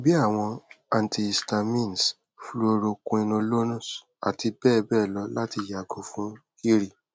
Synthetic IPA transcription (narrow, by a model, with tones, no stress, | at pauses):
bi˦a˦˨w̃ɔ̃˧a˨n˨tʰi˧˨sta˧mĩ˦˨n˨s | flo˧ɾo˧kũ˧ĩ˧nõ˧lo˦nũ˦˨s | a̰˨ti˧bɛː˦˨bɛ˦˨lɔ˧˦la˦ti˧˨ja˨ɡo˨˦fũ˦ki˦ɾi˦˨